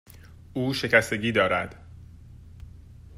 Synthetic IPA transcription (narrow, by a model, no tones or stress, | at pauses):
ʔuːʃe̞cʰæst̪e̞ɟiːd̪ɒːɾæd̪̥